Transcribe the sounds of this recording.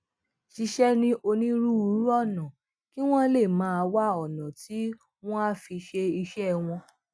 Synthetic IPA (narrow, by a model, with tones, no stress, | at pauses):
ʃi˧ʃɛ˦nĩ˧ʔo˧nĩ˦ɾu˦u˧˦ɾu˦ɔ˦˨nã˨ | ki˦w̃ɔ̃˦le˦˨mãː˨˦˧a˧wa˦ɔ˨nã˨ti˨˦ | w̃ɔ̃˦a˦fi˧ʃe˧i˧ʃɛ˦w̃ɔ̃˧